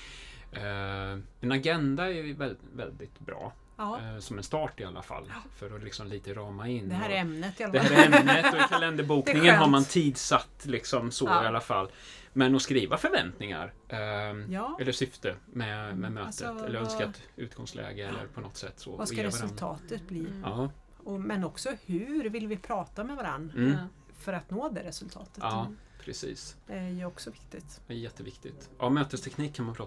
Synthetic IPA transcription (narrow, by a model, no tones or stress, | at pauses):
ɛnaɡɛnd̪aɛɾjɵvɛlvɛ̰ld̪ɪt̪bɾɑ̰ː | sɔmɛnst̪ɑːʈɪalːa̰fa̰lːfœɾɔlɪksɔmliːt̪əɾɑːmaɪnːɛmnəd̪ɛhæːɾɛmnnəttɔkʰalɛnd̪əɾbuːknɪŋənɦaɾmant̪ʰiːd̪sat̪ːlɪksɔmsɔɪalːafalː | mɛnɔskɾiːvafœɾvɛnt̪nɪŋa̰ɾ | ʔ | ɛlːəʂʏft̪əmɛmɛmøːt̪əɛlːəɾœnskat̪ʉ̟ːt̪̚ɡ̥ɔŋslʔɛ̰ːɡəɛlːə̰ɾpʰɔnɔt̪ːsɛt̪ːsɔ̰asaɾɛvɾɵltʰɑ̰ːt̪ət̪̚bliːɑː | ɔmɛnɔksɔhʉɾvɪlvɪpʰɾɑːt̪amɛvaɾa̰n̩ː | fœɾat̪noːd̪ɛɾɛsɵlt̪ʰɑ̰ːt̪ə̥ɑː | pʰɾɛsḭːsæjɵɔksɔvɪkt̪ɪt̪æjɛt̪ːəvɪkt̪ɪt̪ʔɑmøːt̪əst̪ʰɛkʰniːkʰːanmanpʰɾɑː